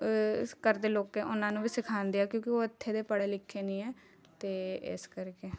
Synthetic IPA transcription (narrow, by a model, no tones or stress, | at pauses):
kəɾd̪eːloːkɛːʔʊnãːnũːbiːsɪkʰaːnd̪ejaːkjõːkioːət̪ʰːeːd̪eːpəɽeːlɪkʰːeːnĩːɛː | t̪eːɪ̰skəɾke